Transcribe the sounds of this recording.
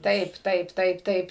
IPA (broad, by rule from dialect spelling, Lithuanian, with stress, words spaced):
ˈtɐɪp ˈtɐɪp ˈtɐɪp ˈtɐɪp